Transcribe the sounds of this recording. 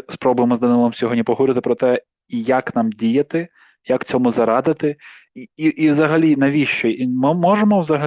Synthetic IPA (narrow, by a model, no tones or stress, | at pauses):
spɾɔbʊjemɔzd̪ɐnɪlˠɔmsʲɔɦɔdʲnʲipɔɦʊɾɪt̪ɪpɾɔt̪ɛ | ijaknɑmdʲijɐt̪ɪ | jakt͡sʲɔmʊzɐɾɑd̪ɪt̪ɪ | iiʔiwzɐɦɐlʲinɐʋʲiʃt͡ʃɔimɪmɔʒemɔwzɐɦɐ